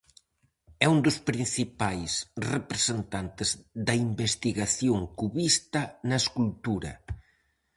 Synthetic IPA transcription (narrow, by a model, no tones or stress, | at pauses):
ɛund̪ʊspɾĩn̟θipajsrepɾesent̪ant̪ɪzðɐimbest̪iɣaθjoŋkuβist̪ɐnɐeskult̪uɾɐ̰